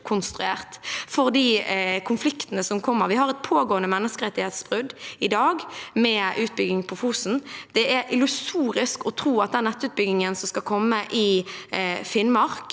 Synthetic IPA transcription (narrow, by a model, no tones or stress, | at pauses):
kʰʊnst̪ʁʉḛːʁt̪fɔʁd̪iːkʰʊnflɪkt̪ənəsɔmkʰɔmːəʁʋɪhɑʁɛt̪̚pʰoːɡoːənəmɛnːəskəʁɛt̪ːɪhɛːt̪sb̥ʁʉd̪ɪd̪ɑːɡmɛʔʉːt̪̚bʏɡɪŋpʰɔfuːsn̩d̪̥ɛɛɾʔɪlʉsuːɾɪskɔt̪ʰɾuːɑt̪̚d̪ɛnːɛt̪ːʉːt̪̚bʏɡɪŋənsɔmskɑkʰɔmːəʔɪ | fɪnmɑʁk